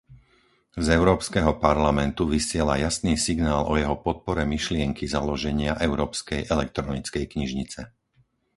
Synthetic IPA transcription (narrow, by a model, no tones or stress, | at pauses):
zɛʊɾɔːpskɛɦɔpaɾlamɛnt̪uʋisɪɛlajasniːsiɡnaːlɔjɛɦɔpɔt̪̚pɔɾɛmiʃlɪɛŋkʰizalɔʒɛɲɪaʔɛʊɾɔːpskɛjɛlɛk̚t̪ɾɔnit͡skɛjkɲiʒɲit͡sɛ